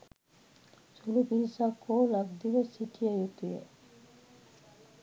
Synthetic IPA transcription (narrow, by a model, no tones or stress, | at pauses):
sulubiɾisakoːlaɡd̪iʋəsːiʈʰijajut̪ujḛ